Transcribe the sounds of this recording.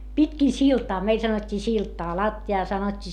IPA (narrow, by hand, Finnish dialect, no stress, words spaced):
pitkiˑ siltɑː meil sɑnotʲːiː siltɑː lɑtːiɑː sɑnotʲːiː